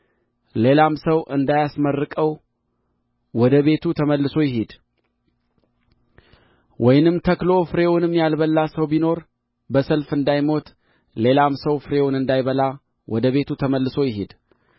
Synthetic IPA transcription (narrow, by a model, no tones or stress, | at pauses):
le̞lamsəwʔɨnd̪ajasmərːɨkʼəw | wɔd̪əβe̞t̪ʰut̪ʰəməlːɨso̞jɪɦed̪̥ | wʔɔjnɨmt̪ʰəklo̞fɨɾe̞wʊnɨmːjalbəlːasəwbino̞ɾ | bəsəlfɨnd̪ajmo̞t̪ | le̞lamsəwfɨɾe̞wʊnɨnd̪ajβəla | wɔd̪əβe̞t̪ʰut̪ʰəməlːɨso̞jɪɦed̪̥